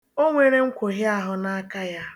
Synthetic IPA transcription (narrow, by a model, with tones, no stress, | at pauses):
o˦ŋʷe˨ɾe˦ŋ̩˦kʷo˨ɦja˦ɦʊ˨na˦a˦ka˦ja˦